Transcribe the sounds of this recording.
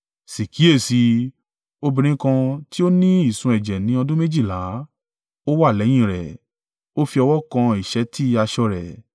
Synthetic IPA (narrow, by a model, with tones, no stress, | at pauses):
si˨kʰi˨˦e˦˨si˧ | o˧bĩ˧ɾ̃ĩ˦kã˧ti˦o˦nĩ˦i˦˨sũ˧ɛ˨d͡ʒɛ˨nĩ˨˦ɔ˧dũ˦me˦d͡ʒi˦˨la˨˦ | o˦wa˦˨lɛ˨˦j̃ĩ˦˨ɾɛ˨ | o˦fi˧ɔ˧wɔ˦kã˧i˨ʃɛ˨˦ti˦˧a˧ʃɔ˧ɾɛ˨